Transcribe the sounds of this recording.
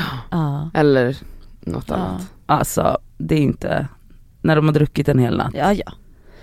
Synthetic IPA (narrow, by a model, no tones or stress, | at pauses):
ɑʔɛlːəɾnʔɔ̰t̪ːa̰nːa̰t̪ | ʔalsɔ̰d̪ɛæɾɪnt̪ʰə̰ | næɖɔmhaɖ̪ɾɵkːɪt̪ɛnheːlnʔa̰t̪ːjɑ